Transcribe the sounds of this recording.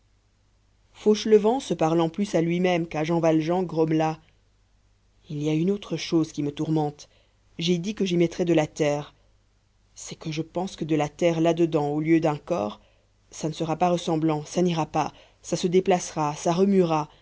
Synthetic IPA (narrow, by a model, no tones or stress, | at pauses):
foʃləvɑ̃səpaʁlɑ̃plysalɥimɛmkaʒɑ̃valʒɑ̃ɡʁɔmla | iliaynot̪χəʃozkʲimət̪uʁmɑ̃t̪ | ʒɛd̪ikəʒimɛt̪χɛd̪əlat̪ɛːʁ | sɛkəʒəpɑ̃skəd̪əlat̪ɛʁlad̪əd̪ɑ̃oljød̪ɛ̃kɔ̰ːʁ | sanəsəʁapaʁəsɑ̃blɑ̃saniʁapa | sasəd̪eplasʁasaʁəmyʁa